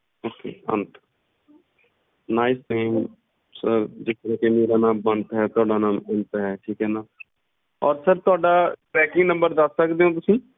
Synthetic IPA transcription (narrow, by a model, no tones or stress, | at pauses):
oːkḛːə̰̃nt̪ | naːɪsʈaɪm | səɾd͡ʒɪst̪əɾɛɦkemeːɾanãːmbənt̪aɦɛt̪aːɖanãːmʊnt̪aɦɛʈʰiːkɦɛːnaː | ɔːɾsəɾt̪ʊaːɖaʈɾɛːkɪ̃ŋɡnə̃mbəɾd̪əsːəkd̪eɦõt̪̬ʊsĩː